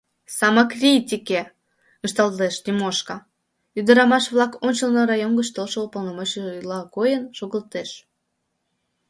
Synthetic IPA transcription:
sɑmɑkrʲitʲike | ɨʃt̪ɑlt̪eʃnʲimoʃkɑ | yd̪əɾɑmɑʃβlˠɑkonʲt͡ɕəlnoɾɑjonɡət͡ɕt̪olʃəopəlnomot͡ɕeʒlɑkojənʃoɣəlt̪eʃ

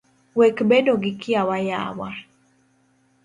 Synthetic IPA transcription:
wɛkbɛdoɡɪkiawaja̰wa

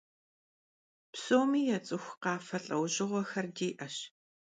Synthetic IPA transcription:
psoːmiːjɛt͡sʼɨxʷqɑːfɐɬʼɐwʑɪʁʷɔxɐrdiːʔɐɕ

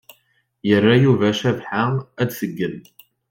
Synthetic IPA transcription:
jərːajuvæʃævħaæd̪θəɡːən

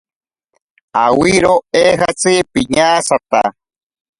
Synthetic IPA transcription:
awiɾoehat͡sipiɲaːsat̪a̰

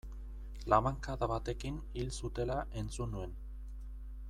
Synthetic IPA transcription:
lamaŋkaðaβat̪e̞kin | ilsut̪e̞laʔe̞nt͡sunue̞n

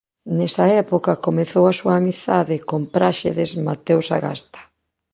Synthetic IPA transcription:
nɛsɐɛpokɐkomeθowasuaːmiθaðɪkompɾaʃeðezmat̪ewsa̰ɣa̰st̪ḁ

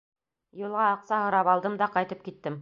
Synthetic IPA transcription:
julˠʁɑːqsɑɦɤ̆ɾɑpɑlˠd̪ɤmd̪ɑqɑjt̪ɤp̚kit̪ːɘm

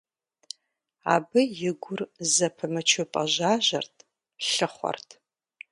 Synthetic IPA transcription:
a̰ːbɨjɪɡʷʊrzɐpʰɨmɨt͡ʃʰʊpʼɐʒaːʒɐrtʰ | ɬɨχʷɔ̰rtʰ

